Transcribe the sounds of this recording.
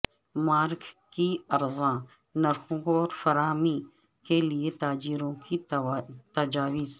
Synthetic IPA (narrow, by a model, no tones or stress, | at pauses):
maːɾkkiɐɾzã | nɐɾxũɡɔːɾfɐɾaːmi | keliet̪aːd͡ʒiːɾõkit̪ɐd͡ʒaːwiz